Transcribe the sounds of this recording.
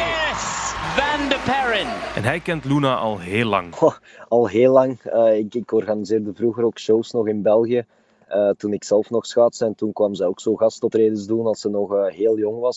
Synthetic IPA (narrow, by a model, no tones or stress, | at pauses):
jɛsvændəpʰɛɹɪ̃nɛ̰nɦɛjkɛntlunaʔɑlˠɦeːlːɑ̰ŋɑlˠɦeːlːɑŋəːɪkɪkɔrɣanizeːrdəvruɣəɾoːkʃowsnɔxɪnbɛlˠɣijə | əːtunɪksɛlˠfnɔxsxaːtsəɛntunkwɑmzɛjoːksoːɣɑstɔtreːdənzduːnɑlˠsənɔxəːɦeːlˠjɔŋʋɑs